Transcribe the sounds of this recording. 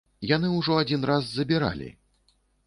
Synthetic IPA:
janɨuʐɔad͡zʲinrazːɐbʲiɾa̰lʲḭ

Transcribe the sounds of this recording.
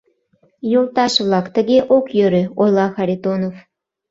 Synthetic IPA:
jolˠt̪ɑʃβlˠɑkt̪ə̆ɣeʔokjøɾø̆ojlˠɑxɑɾʲit̪onof

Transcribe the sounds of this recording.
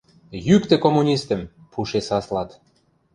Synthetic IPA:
jykt̪ĕkomunʲist̪ə̆mpʰuʃesɑslɑt̪

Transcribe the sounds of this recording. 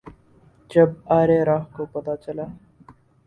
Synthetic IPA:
d͡ʒɐbaːɾeɾaːɦkopɐt̪at͡ʃɐlaː

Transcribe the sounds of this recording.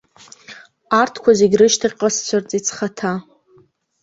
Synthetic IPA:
artʰkʷazeɡʲrɨʃtʰaχʲqʼast͡sʷʰart͡sʼit͡sʰχatʰa

